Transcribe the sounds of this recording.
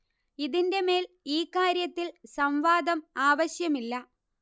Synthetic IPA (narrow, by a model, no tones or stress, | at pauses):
iðinde̞me̞ːl | iːkːaːɾjɐt̪ːilsɐmʋaːd̪ɐmaːʋɐɕjɐmilːɐ